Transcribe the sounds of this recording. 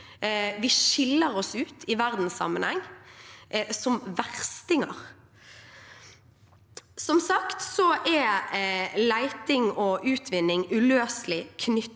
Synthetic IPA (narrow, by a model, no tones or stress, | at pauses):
ʋɪʃɪlːəʁɔsʉːt̪ʰɪʋæʁd̪n̩sːɑ̰mːənhɛŋː | sɔmʋæʁst̪ɪŋə̰ʁ | sɔmsɑkt̪sɔʔɛ | læɪt̪ɪŋɔʉːt̪ʰʋɪnːɪŋʉløːslɪkʰnʏ